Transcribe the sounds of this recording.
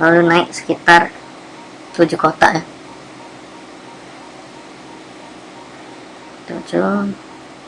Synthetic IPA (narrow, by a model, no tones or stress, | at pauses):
lalunaɪk̚sə̥kit̪ar | t̪ud͡ʒukot̪a̰ʔja | t̪ṵd͡ʒu